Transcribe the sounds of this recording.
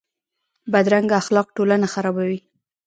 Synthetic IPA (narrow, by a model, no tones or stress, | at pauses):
bad̪ɾaŋɡaaxlɑq̚ʈolanaxaɾɑbawi